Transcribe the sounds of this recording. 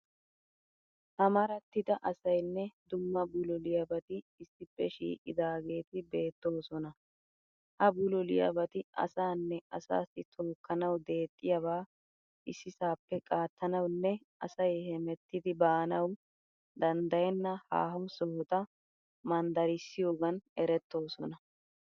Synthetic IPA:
t̪ɐmɐɾɐt̪ːɪd̪ɐʔɐsɐjnːɛd̪ʊmːɐbʊlɔlɪjɐbɐt̪ɪːsːɪpːɛʃḭːʔʼɪ̰d̪aːɡe̞ːt̪ɪbe̞ːt̪ːo̞ːsɔnɐ | hɐbʊlɔlɪjɐ̰bɐt̪ɪɐ̰saːnːɛɐsa̰ːsɪt̪ʰoːkːɐnɐwd̪e̞ːt̪ʼːɪjɐβaː | ʔɪsːɪsaːpːɛkʼaːt̪ːɐnɐwnːɛ | ʔɐ̰sɐjhɛmɛt̪ːɪd̪ɪbaːnɐw | d̪ɐnd̪ɐjɛnːɐha̰ːɦɐwsɔhɔt̪ɐ | mɐnd̪ɐɾɪsːɪjo̞ːɡɐnɛɾɛt̪ːo̞ːsɔ̰nɐ

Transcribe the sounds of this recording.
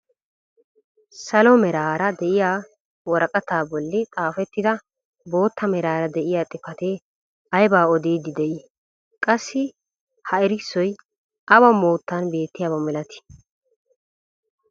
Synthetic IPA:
sɐlɔmɛɾaːɾɐd̪ɛʔɪjaː | wɔɾɐkʼɐt̪aːbɔlːɪt̪ʼaːfɛt̪ːɪd̪ɐ | bo̞ːt̪ːɐmɛɾaːɾɐd̪ɛʔɪjaːt̪ʼɪpɐt̪e | ɐjbaːɔd̪iːd̪ɪd̪ɛʔiː | kʼɐsːɪ | hɐɛɾɪsːɔj | ʔɐbɐmoːt̪ːɐnbe̞ːt̪ːɪjaːbɐmɛlɐt̪ɪ̥

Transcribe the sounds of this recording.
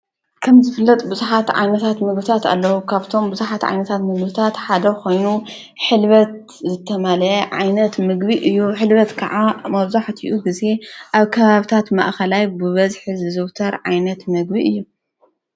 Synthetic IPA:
kʰɐmzɨfɨlːɐt̪ʼbuzuħat̪ʕa̰jnɐt̪ʰat̪mɨɡbɨt̪ʰat̪a̰lːɐwukʰaβt̪ʰo̞mbuzuħat̪ʕa̰jnɐt̪ʰat̪mɨɡbɨt̪ʰat̪ħad̪ɐkʰo̞jnu | ħɨlβɐt̪̚ | zɨt̪ʰːɐmalɐjɐʕa̰jnɐt̪mɨɡbiʔɨjːuħɨlβɐt̪kʰɐʕamɐβzaħt̪ʰiʔuɡɨze̞ʔaβkʰɐβaβit̪ʰat̪ma̰ʔxɐlajbɨβɐzħɨzɨzɨwt̪ʰɐɾʕajnɐt̪mɨɡbiʔɨjːu

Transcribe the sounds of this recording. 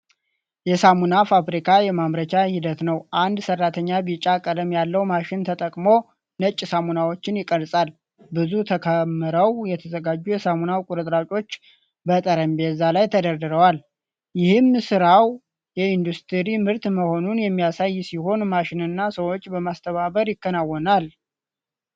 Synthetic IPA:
jɛsamunafafɾikʰajɛmamɾət͡ʃʰahid̪ət̪nəwʔand̪sərːat̪ʰəɲːabit͡ʃʼakʼələmjalːəwmaʃɪnt̪ʰət̪ʼəkʼmo̞ | nət͡ʃʼːsamunawo̞t͡ʃːɪnjɪkʼəlsʼal | bɨzut̪ʰəkʰəmːɨɾəwjɛt̪ʰəzəɡad͡ʒːujɛsamunawkʼuɾɨt̪ʼɾat͡ʃʼo̞t͡ʃː | bət̪ʼəɾəmbezːalajt̪ʰəd̪əɾd̪ɨɾəwal | jɪhɨmsɨɾaw | jɛind̪ust̪ʰɨɾimɨɾt̪məho̞nunjɛmːijasajːsiho̞nmaʃɪnɨnːasəwo̞t͡ʃːbəmast̪ʰəβaβəɾjɪkːənawːɔnal

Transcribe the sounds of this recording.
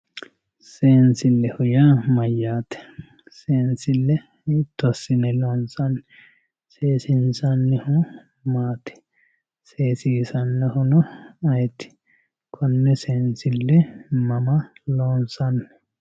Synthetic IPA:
seːnsɪlːɛhʊjamɐjːaːt̪ɛ̥ | seːnsɪlːɛ | t̪ːɔsɪnɛloːnsɐnː | seːsɪnsɐnːɪhʊ | maːt̪ɪ̥ | seːsiːsɐnːɛhʊnɔɐjt̪ɪ̥ | kʰɔnːɛseːnsɪlːɛmɐmɐloːnsɐnː

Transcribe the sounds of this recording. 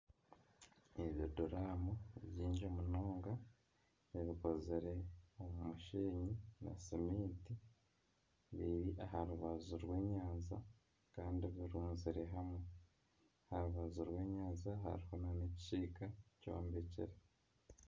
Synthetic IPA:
eβjodoɾaːmoβjiːɲd͡ʒomunoːŋɡa | βiβiko̞ziɾe̞omumuʃiːɲina̰simiːti | βiɾiʔaɦaɾuβazuɾwe̞ːɲaːnza | kaːndiβiɾuːnziɾe̞ɦamwe̞ | ahaɾuβazuɾwe̞ːɲaːnzaɦa̰ɾiho̞nanici̥t͡ʃiːkaco̞̰ːmbecḛɾe

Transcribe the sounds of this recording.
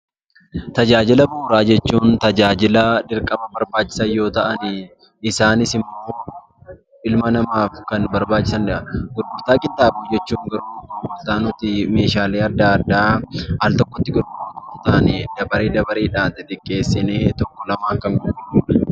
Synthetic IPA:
t̪ɐd͡ʒaːd͡ʒɪlɐbuːɾaːd͡ʒɛt͡ʃːuːnt̪ɐd͡ʒaːd͡ʒɪlɐd̪ɪɾkʼɐmɐbɐɾbaːt͡ʃːɪ̥sɐjo̞ːt̪ɐʔɐnɪ | ɪsaːnɪsɪmːoː | ɪlmɐnɐmaːfkɐnbɐɾbaːt͡ʃʼːɪsɐndɪʔɐɡʊɾɡʊɾt̪aːkʼɪnt̪ʼaːbuːd͡ʒɛt͡ʃːuːŋɡɐɾuːɡʊlt̪aːnʊt̪ɪmeːʃaːleːɐɾd̪aːɾd̪aːhɐlt̪ɔkːɔt̪ːɪɡʊɾɡʊt̪ɔkːɔt̪ɐɐnɪd̪̥ɐbɐɾeːd̪ɐbɐɾeːᶑaːnt̪ɪt̪ɪkʼːe̞ːsːɪneːt̪ɔkːɔlɐmaːŋkɐŋɡʊʔɪuːᶑɐ̥

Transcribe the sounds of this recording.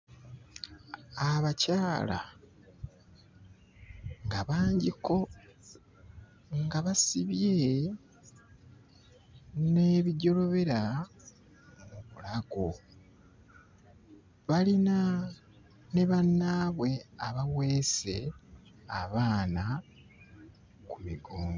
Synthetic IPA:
aβacaːla̰ | ŋɡaβaːɲɟiko̞ | ŋɡaβasiβje | ne̞ːβiɟo̞lo̞βe̞ɾa | muβulaɡo | βalina | ne̞βanːaːβwe̞aβawe̞ːse̞̰ | aβaːna | kumḭɡoːmo

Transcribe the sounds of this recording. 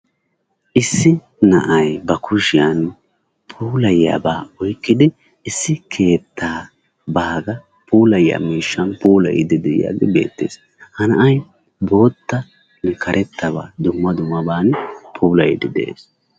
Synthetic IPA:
ʔɪsːɪ | nɐʔɐjbɐkʰʊʃɪjan | pʰuːlɐjːa̰ːbaːɔjkːɪd̪ɪ | ɪsːɪkʰe̞ːt̪ʰːaː | baːɡɐ | puːlɐjːa̰miːʃːɐnpuːlɐ̰jɪ̰d̪ɪd̪ɛj̰ja̰ɡɪbe̞̰ːt̪ːḛːs | hɐnɐʔɐj | bo̞ːt̪ːɐ | nɛkʰɐɾʔɛt̪ːɐba̰ːd̪ʊmːɐd̪ʊmːɐbaːnpʰuːlɐjɪd̪ɪd̪ɛ̰ʔḛːs

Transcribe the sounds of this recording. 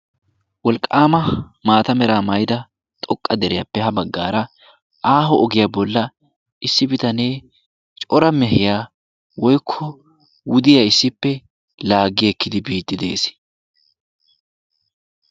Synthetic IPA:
wɔlkʼːaːmɐmaːt̪ɐmɛɾaːmɐjd̪ɐ | t̪ʼɔkʼːɐd̪ɛɾɛjapːɛhɐbɐɡːa̰ːɾɐ | ʔaːɦɔʔɔɡɪjabɔlːɐ | ɪsːɪbɪt̪ɐne̞ː | t͡ʃʼɔɾɐmɛhɪjaː | wɔjkʰːɔ | wʊd̪ɪjaɪsːɪpːɛ | laːɡɪjɛkːɪd̪ɪbiːt̪ːɪd̪e̞̰ːsɪ̥

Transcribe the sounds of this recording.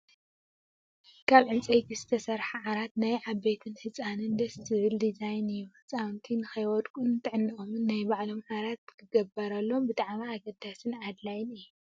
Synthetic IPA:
kʰalʕɨnt͡sʼejt̪ʰizɨt̪ʰɐsɐɾħaʕaɾat̪najʕaβːet̪ʰɨnhɨt͡sʼanɨnd̪ɐst̪ʰɨβɨld̪izajnɨju | t͡sʼawnt̪ʰinɨxɐjwɔd̪kʼunt̪ʰɨʕɨnːɨomɨnːajbaʕlo̞mħaɾat̪̚kʰɨɡɐbɐɾɐlːo̞mbɨt̪ʼaʕmaaɡɐd̪asɨnad̪lajɪnɨjːu

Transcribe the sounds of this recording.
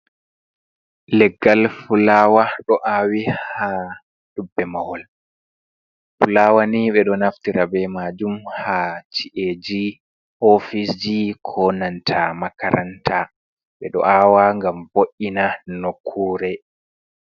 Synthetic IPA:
lɛɡːalfulaːwaɗɔʔawiha | ɗubːɛmawɔl | fulaːwaniɓɛɗɔnaftiɾabɛmad͡ʒumhat͡ʃiʔed͡ʒi | ʔɔfisd͡ʒikʰɔnantʰamakaɾʔantʰa | ɓɛ̰ɗɔ̰ʔaːwaŋɡamboʔinanokʰːuːɾɛ

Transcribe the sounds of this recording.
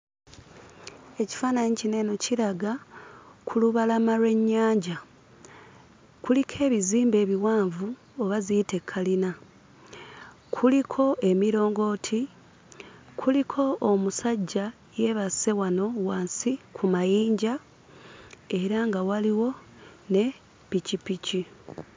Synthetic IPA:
e̞ci̥faːnaɲicine̞ːno̞ciɾaɡa | kʰuluβalamaɾwe̞ɲːaːɲɟa | kulikʰe̞ːβiziːmbe̞ːβiwaːɱvu | oβaziite̞kʰːalina | kʰulikʰo̞e̞miɾo̞ːŋɡo̞ːtʰi | kʰulikʰo̞ʔːmusaɟːa | je̞βase̞wano̞waːnsikʰumajiːɲɟa | e̞ɾaŋɡawaliwo̞ | ne̞ | picipici

